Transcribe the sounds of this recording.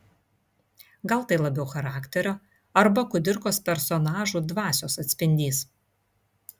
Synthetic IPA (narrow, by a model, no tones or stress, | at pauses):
ɡɐlˠt̪ɐɪlˠɐbʲɛʊxɐɾɑːkt̪ʲɛɾʲoː | ɐɾbɐkʊd̪ʲɪɾkoːspʲɛɾsɔnɑːʒuːd̪ʋɑːsʲoːsɐt̪ʲsʲpʲɪnʲd̪ʲiːs